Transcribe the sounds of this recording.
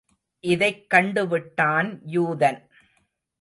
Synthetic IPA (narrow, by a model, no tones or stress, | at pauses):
ʔɪðɐɪkːɐɳɖɯʋɪʈːaːnjuːðɐn